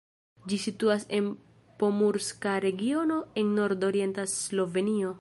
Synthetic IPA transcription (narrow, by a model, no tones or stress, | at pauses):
d͡ʒisituase̞n | po̞muɾskaɾe̞ɡio̞no̞enːo̞ɾdoɾie̞ntaslo̞ve̞nio̞